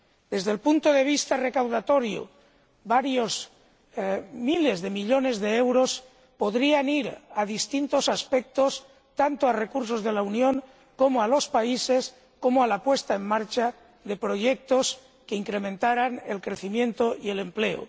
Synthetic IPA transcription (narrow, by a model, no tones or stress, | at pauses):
d̪̥e̞zðelpunt̪oðe̞β̞ist̪arekawðat̪oɾjo̰ | baɾjoz | milezðe̞miʎone̞zðeewɾos | poðɾianiɾaðist̪int̪o̞saspek̚t̪os | t̪ant̪oarekuɾsozð̞e̞launjo̞ŋ | ko̞moalo̞spaises | ko̞moalapwe̞st̪aemmaɾt͡ʃa | ðe̞pɾoʝek̚t̪os | keiŋkɾemẽnt̪aɾanḛlkɾeθimjẽ̞nt̪oie̞le̞mple̞o̰